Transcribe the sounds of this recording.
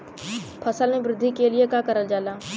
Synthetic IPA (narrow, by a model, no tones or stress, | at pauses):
pʰɐsəlmẽbɾɪd̪ʱːikeliekakɐɾəld͡ʒaːlaː